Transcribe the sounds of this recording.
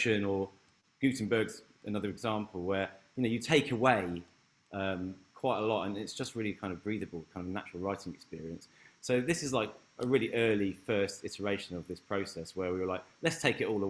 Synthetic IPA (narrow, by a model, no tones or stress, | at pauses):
ʃə̃nə | ɡ̥ʉˑtn̩bɜːɡz̥ | ənʌðəɹɛɡzɑ̃ˑmpʰəlˠwəjənəʊjətʰeɪkʰəweɪ | ʌ̃mkʰw̥aɪtəlɔtə̃nɪtsd̥ʒ̥ʌst̚ɹɪlikʰãɪ̃ndəvbɹiːðəbəlˠkʰãɪ̃ndəvna̰t͡ʃə̥ɹəlˠɹaɪtɪ̃ŋɛkspɪəɹiə̃nsː | oʊðɪsɪzlaɪkʔəɹɪəliʔɜːlifɜˑstɪtəɹeɪʃə̃nəvðɪspʰɹ̥əʊsɛswəwiwəlaɪk̚lətstʰeɪkɪtɔːlˠə